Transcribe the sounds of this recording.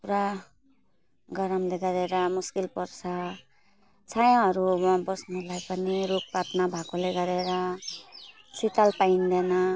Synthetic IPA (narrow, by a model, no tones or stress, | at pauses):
puɾa | ɡʌɾʌmleɡʌɾeɾʌmuskilpʌrt͡sʰʌ | t͡sʰajãɦʌɾumabʌsnolajpʌniɾuk̚patnabʱakoleɡʌɾeɾʌ | sit̪alpaind̪enʌ